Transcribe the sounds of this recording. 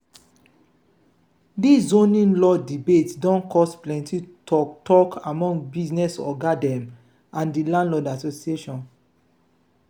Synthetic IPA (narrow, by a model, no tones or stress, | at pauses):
disõnĩnlɔdibetsdɔ̃nkʰɔsplɛ̃nti | ɔtʰɔkamɔ̃ŋɡbiznɛsɔ̰ɡadɛ̃m | ãndilãndlɔdasosieʃɔ̃n